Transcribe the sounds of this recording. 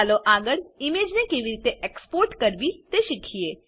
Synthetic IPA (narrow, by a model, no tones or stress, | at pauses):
loʔaːɡəɽɪmeːd͡ʒnekeːʋiɾit̪eʔekspoːɾʈkəɾʋit̪eʃɪkʰieː